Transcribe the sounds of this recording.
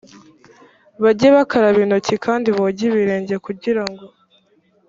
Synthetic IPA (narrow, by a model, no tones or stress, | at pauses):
βaɟeβakaɾaβino̞cikʰaːndiβoɟiβiɾeːɲɟekuɟiɾaŋɡo̞